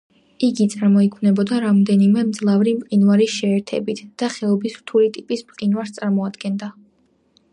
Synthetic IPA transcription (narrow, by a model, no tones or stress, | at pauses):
iɡit̪sʼaɾmɔikʰwnɛbɔd̪aɾamd̪ɛnimɛmd̪zlˠavɾimpqʼinvaɾiʃɛːɾt̪ʰɛ̰bit̪ʰd̪̥aχɛɔbisɾt̪ʰulit̪ʼipʼismqʼinvaɾst̪sʼaɾmɔad̪̥ɡɛnd̪a